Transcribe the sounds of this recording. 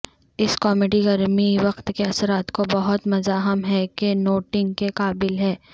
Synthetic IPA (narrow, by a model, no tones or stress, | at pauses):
ɪskɔːmeːɖiɡɐɾmiʋɐqt̪keɐsɾaːt̪kobɐɦʊt̪mɐzaːɦəmɦɛkenoːʈɪ̃ŋɡkeqaːbɪlɦɛː